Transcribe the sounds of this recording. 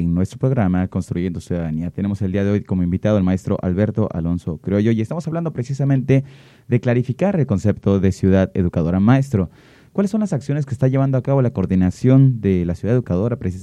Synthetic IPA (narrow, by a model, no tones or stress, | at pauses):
eŋnwest̪ɾo̞pɾo̞ɣɾamako̞nst̪ɾuʝe̞nd̪osjuðaðaniat̪ene̞mo̞se̞ld̪iaðe̞o̞jkomoimbit̪aðoelmae̞st̪ɾo̞̰ʔa̰lβe̞ɾt̪o̞ʔa̰lo̞nso̞kɾeoʝo̞jiest̪amosaβland̪o̞pɾe̞sisamẽnt̪e̞ | ðe̞klaɾifikaɾe̞lko̞nse̞pt̪o̞ðesjuðaðḛðukaðoɾamaest̪ɾo̞ | kwalesːo̞nlasaksjo̞nes̬keːst̪aʝe̞βand̪oakaβo̞lakoɾðinasjo̞nd̪e̞lasjuðaðeðukaðo̞ɾapɾesi